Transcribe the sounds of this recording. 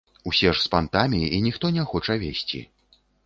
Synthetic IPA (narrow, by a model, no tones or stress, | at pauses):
usʲɛʂspant̪amʲiinʲixt̪ɔnʲɛxɔt͡ʂɐvʲesʲt͡sʲḭ